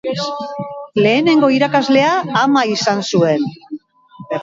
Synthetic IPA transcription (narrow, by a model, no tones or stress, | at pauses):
le̞ːne̞ŋɡo̞iɾakazle̞aːmaisansue̞n